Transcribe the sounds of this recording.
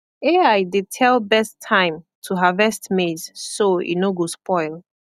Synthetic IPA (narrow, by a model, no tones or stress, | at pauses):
eajdetʰɛlbɛstʰãɪ̃m | tʰuɦavɛstmezsoḭnoɡospɔɪl